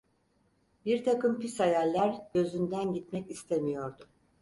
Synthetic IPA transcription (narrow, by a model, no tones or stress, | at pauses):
biɾt̪ʰakɯmpisajalʲːæɾɟø̞zynd̪ænɟit̪̚mɛcist̪ʰemijo̞ɾd̪ʊ